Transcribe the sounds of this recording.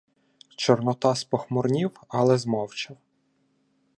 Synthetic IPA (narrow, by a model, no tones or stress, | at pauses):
t͡ʃɔrnɔt̪ɑspɔxmɔrnʲiwɐlˠɛzmɔwt͡ʃɐ